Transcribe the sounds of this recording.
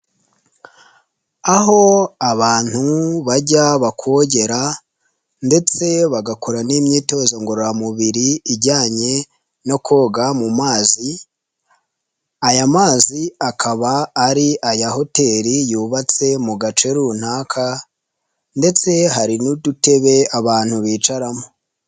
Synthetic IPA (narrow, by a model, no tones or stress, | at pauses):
aɦo̞aβaːn̥huβaɟaβakʰwoɟe̞ɾa | nde̞t͡se̞βaɡako̞ɾanimɲiːto̞ːzo̞ŋɡo̞ɾoɾamuβiɾiːɟaːɲe̞ | no̞kʰo̞ːɡamumaːzi | ajamaːziakʰaβaːɾiʔajaho̞te̞ːɾijuːβat͡se̞muɡat͡ʃe̞ɾun̥haːkʰa | nde̞t͡se̞ɦaɾinudute̞βe̞aβaːn̥huβiːt͡ʃaɾamo̞